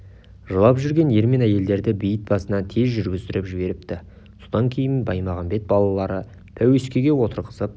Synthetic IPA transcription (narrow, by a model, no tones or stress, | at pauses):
ʒəlˠɑpʒʏɾɡʲe̞nje̞ɾme̞næje̞ld̪e̞ɾd̪ɪbijət̪̚bɑsənɑt̪ʰe̞zʒʏɾɡʲɪzt̪ɪɾɪpʒɪbe̞ɾɪp̚t̪ɪ | so̞d̪ɑŋkʲʰe̞jɪnbɑjmɑʁɑmbe̞t̪̚bɑlˠɑlˠɑɾə | t̪ʰæweskʲe̞ɡʲe̞wo̞t̪əɾqə̥səp̚